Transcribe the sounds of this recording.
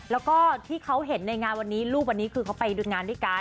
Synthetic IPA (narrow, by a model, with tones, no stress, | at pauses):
lɛː˦˥wkɔː˥˩t̪ʰiː˥˩kʰa˦˥wɦe˨˩˦nːa˧jŋaː˧nwa˧nːiː˦˥luː˥˩p̚wa˧nːiː˦˥kʰɯː˧kʰa˦˥wpa˧jduː˧nŋaː˧ndu˥˩jka˧